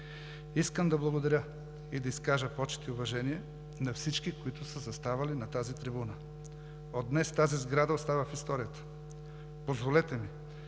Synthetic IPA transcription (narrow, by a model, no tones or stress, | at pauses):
iskəmd̪ɐblˠɐɡod̪ɐɾʲə | id̪ɐiskaʒəpɔt͡ʃɛ̥t̪iʊvɐʒɛniɛ | nɐfsit͡ʃkikoit̪ʊsəzɐst̪avɐlinɐt̪azit̪ɾibunə | od̪nɛst̪azizɡɾad̪ɐost̪avəfist̪ɔɾijət̪ə̥ | pozvolɛt̪ɛmi